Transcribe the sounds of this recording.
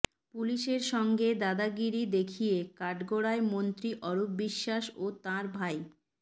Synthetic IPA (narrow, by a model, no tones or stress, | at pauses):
puliʃeɾʃɔŋɡed̪ad̪aɡiɾid̪ekʰijekaʈɡoɽaemont̪ɾiʔɔɾupbiʃːaʃot̪ãɾbʱaj